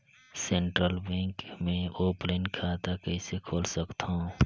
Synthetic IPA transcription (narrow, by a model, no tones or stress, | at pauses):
sẽɳʈɾəlbɛ̃ːŋkmẽoːplenkʰat̪akəisekʰoːlsəkt̪ɦõ